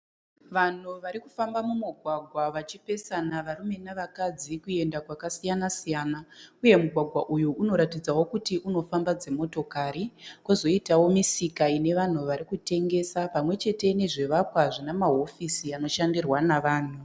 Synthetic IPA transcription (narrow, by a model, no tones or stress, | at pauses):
ʋan̤uʋaɾikufambamumuɡʱwaɡʱwaʋat͡ʃipe̞sanaʋaɾume̞naʋakad͡zikue̞ndakwakasijanasijaːnauje̞muɡʱwaɡʱwaʔujuuno̞ɾatid͡zawo̞kutiʔuno̞fambad͡ze̞mo̞to̞kaɾikozo̞itawo̞misikaine̞ʋan̤uʋaɾikute̞ŋɡe̞ːsapamwe̞t͡ʃe̞te̞ne̞ʐeʋakwaʐinamaɦo̞fisiano̞ʃandirwanaʋaːn̤u